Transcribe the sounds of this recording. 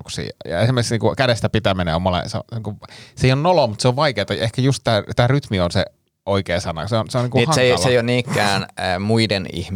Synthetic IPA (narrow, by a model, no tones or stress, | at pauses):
ksḭːjɑ̰esimerksniŋkukædest̪æpit̪æmenḛomolḛseo̰niːŋkuʋseionnolomut̪seoʋʋɑikeːt̪ɑehkæjust̪t̪æːt̪æːryt̪mionse | oikeːsɑnɑ̰seonseoniːŋkuehɑseejɑlseijonniːkːæːnːmuidenḭhm